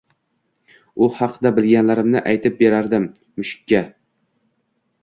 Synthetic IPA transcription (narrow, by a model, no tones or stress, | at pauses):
ʊhɑqʰɨd̪abɪlɡʲanlaɾɪmnɪʔajt̪ʰɪp̚be̞ɾaɾd̪ɪm | mʊʃɪ̥kʲːa